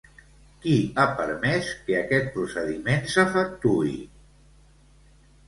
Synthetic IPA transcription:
kiapəɾmɛskəəkɛt̪̚pɾusəðimensəfək̚t̪uḭ

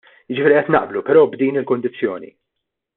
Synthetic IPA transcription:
jɪd͡ʒɪfiːɾiʔɛt̪nɐ̰ʔblupɛɾɔːbd̪iːnɪlkʊnd̪ɪt͡sːjɔːnḭ

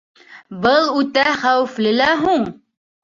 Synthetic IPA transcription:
bɤlˠʉt̪æχæwɘ̆flɘ̆læɦuɴ

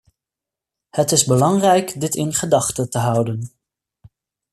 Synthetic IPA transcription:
hətɪzbəlɑŋrɛjkdɪtɪnχədɑχtətəɦʌwdən

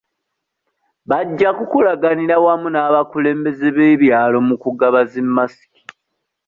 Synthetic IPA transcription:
βaɟːakukulaɡaniɾawamunaːβakule̞ːmbe̞zeβeːβjaːlo̞mukuɡaβazemːasi̥ki̥

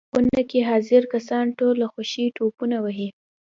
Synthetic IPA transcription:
ʊnakeɦɑzɪɾkasɑnʈolːaxʊʃiʈopunawəɦi

